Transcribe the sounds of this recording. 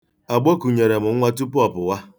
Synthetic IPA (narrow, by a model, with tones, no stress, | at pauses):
a˨ɡ͡bɔ˦ku˨ɲe˨ɾe˨mʊ˨˦ŋʷa˦tu˦pʊ˦ɔ˨pʊ˨wa˦